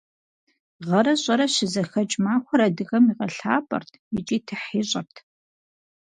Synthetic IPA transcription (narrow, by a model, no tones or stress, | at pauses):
ʁɐɾɐɕʼɐɾɐɕɪzɐxɐt͡ʃʼmaːxʷɔɾɐdɨɣɐmiʁɐɬaːpʼɐ̰rtʰjɪt͡ʃʼiːtʰɨħiːɕʼɐrtʰ